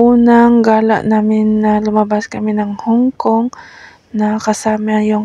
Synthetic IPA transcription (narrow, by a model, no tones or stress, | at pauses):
ʔuːnaŋɡaːla̰ʔnaːmɪnːɐlʊmɐbaskɐmɪnɐŋhʊŋkoŋ | nɐkɐsaːmajʊŋ